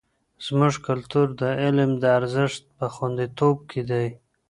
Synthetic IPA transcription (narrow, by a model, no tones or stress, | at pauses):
z̥mʊʐkalt̪uɾd̪əɪlmd̪əaɾzɪʂt̪̚pəxwand̪it̪ob̚kʰed̪aj